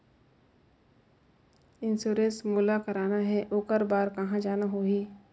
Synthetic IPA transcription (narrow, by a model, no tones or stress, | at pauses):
ɪ̃nsuːɾẽnsmulakɐɾaːnaɦɛʔoːkəɾbaːɾkɐɦãd͡ʒaːnaɦoːɦiː